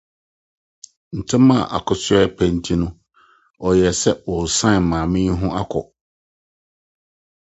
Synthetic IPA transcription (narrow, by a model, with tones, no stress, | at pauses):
n̩˨tʰɪ̃˦mã˦˨ʔa̰˨kʰʊ˨sʊ˦ɛ˦pʰɛ˨n̩˦tʰi˦nʊ̃˦ | ɔ˨jɛ˨sɛ˦wɔ˨sã˦˨mãː˨mɪ̃˦n˦ɦʊ̃˦ʔa˦kʰɔ̰˨